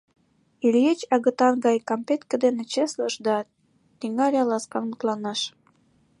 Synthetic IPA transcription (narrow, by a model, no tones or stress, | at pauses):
ilʲjet͡ɕɑɣə̆t̪ɑnɡɑjkɑmpet̪kə̆d̪enĕt͡ɕesləʃd̪ɑ | t̪iŋɑɾʲɑlɑskɑnmut̪lɑnɑʃ